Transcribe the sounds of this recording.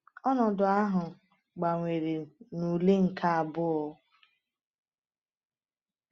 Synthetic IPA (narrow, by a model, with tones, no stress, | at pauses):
ɔ˦nɔ˨dʊ˨a˦ɦʊ˨ | ɡ͡ba˨ŋʷe˨ɾe˨nu˨le˦ŋ̩˨ka˦a˨bʊ˦ɔ˦